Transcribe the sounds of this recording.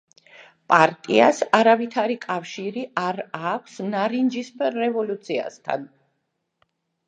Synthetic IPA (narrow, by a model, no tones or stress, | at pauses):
pʼaɾt̪ʼiasaɾavit̪ʰaɾikʼafʃiɾiʔaɾakʷʰsnaɾind͡ʒispːɛvɔlut̪sʰia̰st̪ʰa̰n